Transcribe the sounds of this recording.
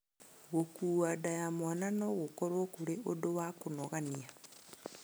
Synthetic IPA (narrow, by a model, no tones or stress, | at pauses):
ɣokuːwadajamwananɔɣokɔɾokuɾeodowakonɔɣania